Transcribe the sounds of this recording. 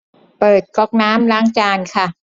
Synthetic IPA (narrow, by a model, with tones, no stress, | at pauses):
pɤː˨˩t̪̚kɔː˧˩k̚naː˦˥mlaː˦˥ŋt͡ɕaː˧nkʰa˥˩